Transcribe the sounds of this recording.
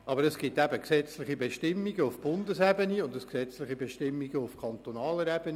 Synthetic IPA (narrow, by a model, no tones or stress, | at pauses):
ʔɑbəɾəsɡ̥ɪtæbəksɛt͡slɪχibeʃtɪmːiɡəufb̥ʊndəsɛbəniʊndəsksɛt͡slɪχibeʃtɪmːiɡəufkʰɑnt̪onɑːləɾɛb̥əni